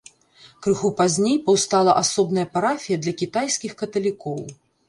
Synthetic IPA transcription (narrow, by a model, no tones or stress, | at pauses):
kɾɨxupazʲnʲejpɐwst̪alˠɐ̰ʔasɔbnɐjɐpaɾafʲijɐd̪lʲɐkʲit̪ajsʲkʲixkɐt̪ɐlʲikɔw